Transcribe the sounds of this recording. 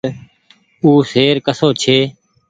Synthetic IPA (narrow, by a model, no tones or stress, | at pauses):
uːseːɾkəsoːt͡ʃʰeː